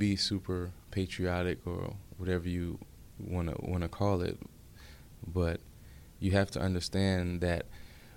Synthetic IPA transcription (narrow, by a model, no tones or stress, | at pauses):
bisʉpʰə˞pʰeɪt͡ʃɹ̥iɑɾɪkə̰˞wʌɾɛvə˞jɨ | wɑ̃nə̰wɑ̰̃ñɨkʰɔlˠɪ̰t̚ | b̥ʌt͡ʃ | ɨɦæftʰɨʔʌ̃ndə˞stæ̃nðɨt̚